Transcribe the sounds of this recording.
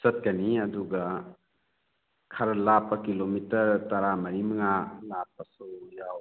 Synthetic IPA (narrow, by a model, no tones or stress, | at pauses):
sɐt̚kaniɐduɡɐ | kʰaɾalapːɐkilomitɐɾtaɾamɐɾimɐŋalap̚ːɐsujaw